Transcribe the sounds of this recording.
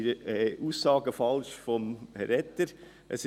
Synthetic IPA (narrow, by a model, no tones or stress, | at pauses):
ɾɛʔuːsːɑːɡəfɑlʃfɔmhɛɾɛt̪ːəɾ | ʔə̰sɪ